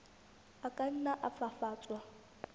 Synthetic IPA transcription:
akʼan̩naʔapfafaːt͡sʼwa

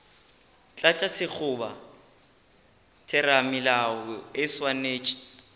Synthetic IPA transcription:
t͡ɬʼat͡ʃʼasɪk͡xʰʊba̰ | tʰɪɾamɪlaɪswaneːt͡ʃʼi̥

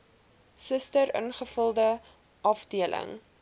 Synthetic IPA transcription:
səstəɾə̰nχəfəlˠdə | ʔɐfdiəlʔə̰ŋ

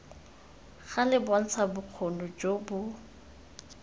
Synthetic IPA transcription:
ɣalɪban̩t͡sʰabʊq͡χʰonʊd͡ʒobʊ

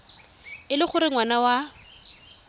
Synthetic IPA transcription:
ɪlɪχʊɾɪŋwanawa

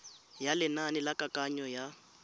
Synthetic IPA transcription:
jalɪnanɪlakʼakʼaɲɔja

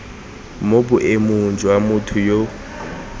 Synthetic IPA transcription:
mobʊʔemʊnd͡ʒʱʼʊwamʊtʰʊjo

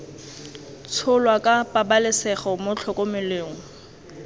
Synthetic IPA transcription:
t͡sʰʊlwakʼapʼabalɪsɛχɔmʊt͡ɬʰɔkʼomɪleːŋ̩

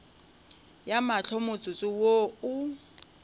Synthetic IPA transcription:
jamaɬʰɔmʊt͡sʼʊt͡sʼɪwoʊ

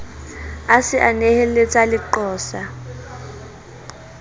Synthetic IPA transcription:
asɪʔanehɛlet͡sʼalɪǃɔːsa

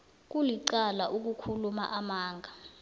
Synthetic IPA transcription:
k̬uliǀalaʔuk̬ukʰuluma̰ʔamaːŋʱa

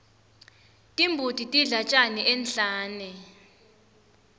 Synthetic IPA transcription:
tʼimbʱutʼitʼiɮat͡ʃʼanɛʔɛnɬaːnɛ

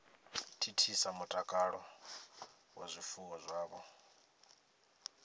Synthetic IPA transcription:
tʰitʰisamutʼakʼaɺɔ | wa̰zʷifuwɔzʷaːβɔ

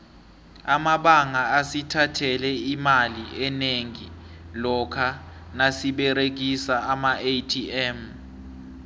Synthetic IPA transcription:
amaɓaŋaːsitʰatʰɛlɛimaliɛneŋilɔkʰanasiɓɛɾek̬isaamaʔetʰiɛm

